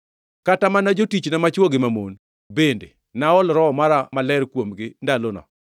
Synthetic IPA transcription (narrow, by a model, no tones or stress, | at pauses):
katamanad͡ʒotit͡ʃnamat͡ʃwoɡɪmamon | bende | naɔlɾɔmaɾamalɛɾkwomɡɪndalonɔ̰